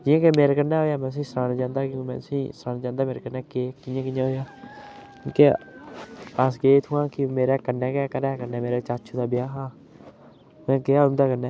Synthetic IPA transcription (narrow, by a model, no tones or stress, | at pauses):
d͡ʒɪjãːkemeːɾeːkənːɛːɦoːjaːmɛ̃ːt̪ʊs̬ĩːsɾaːnd͡ʒãːnd̪aːkjõːkːmɛ̰̃ːt̪ʊsĩːsɾaːnd͡ʒãːnd̪aːmeːɾeːkənːɛːkeːkɪjãːkɪjãːɦoːjaːkõːke | asɡeːt̪ʰuːãːkɪmeːɾɛːkənːɛ̃ːkːkəɾɛːkənːɛːmeːɾeːt͡ʃat͡ʃʰuːd̪aːbɪjaːɦaː | mɛ̃ːɡeaːʊnd̪aːkənːɛː